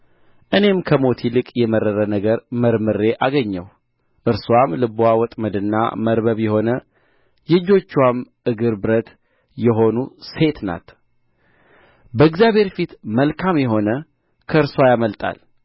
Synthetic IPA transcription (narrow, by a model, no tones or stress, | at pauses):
ʔɨne̞mkʰəmo̞t̪ʰilɨkʼjɛməɾːəɾənəɡəɾməɾmɨɾe̞ʔaɡəɲːəw | ʔɨɾswamlɨbawɔt̪ʼməd̪ɨnːa̰məɾbəβjɛho̞nə | jɨd͡ʒːo̞t͡ʃːwamʔɨɡɨɾbɨɾət̪ | jɛɦo̞nuse̞t̪na̰t̪ | bəɨɡzjaβhe̞ɾfit̪məlkʰamjɛɦo̞nə | kʰəɨɾswajaməlt̪ʼa̰l